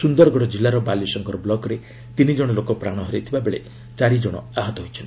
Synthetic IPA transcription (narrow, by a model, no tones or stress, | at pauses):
sund̪ɔɾɔɡɔɽɔd͡ʒilːaɾɔbalisɔŋkɔɾɔblɔkɔɾe | t̪inid͡ʒɔɽ̃ɔlokɔpɾaɽ̃ɔɦɔɾet̪ʰibabeɭe | t͡ʃaɾid͡ʒɔɽ̃ɔ̰aɦɔt̪ɔɦojt͡ʃʰɔn